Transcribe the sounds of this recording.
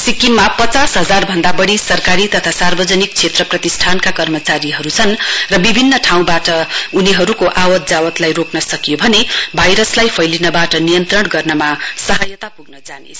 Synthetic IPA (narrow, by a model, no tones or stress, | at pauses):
sikinmapʌt͡sasɦʌd͡zarbʱʌnd̪abʌɽisʌrkaɾit̪ʌt̪ʰasarbʌd͡zʌnik̚t͡sʰet̪rʌprʌt̪isʈʰankakʌrmʌt͡saɾiɦʌɾut͡sʰʌnrʌbibʱinːʌʈʰaw̃baʈʌuniɦʌɾukoʔawʌt̪̚d͡zawʌt̪lajroknʌsʌkijobʱʌnebʱʌjɾʌslajpʰʌjlinʌbaʈʌnijʌnt̪rʌɽɡʌrnʌmasʌɦʌjʌt̪apuɡ̚nʌd͡zane